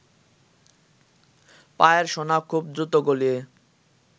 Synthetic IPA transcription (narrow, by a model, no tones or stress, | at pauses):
paeɾʃonakʰːub̚d̪ɾut̪oɡolie